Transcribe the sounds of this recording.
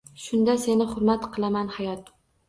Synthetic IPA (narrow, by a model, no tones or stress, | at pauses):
ʃʊnd̪ase̞nɪχʊɾmat̪qʰɨlˠamanhajɒt̪̚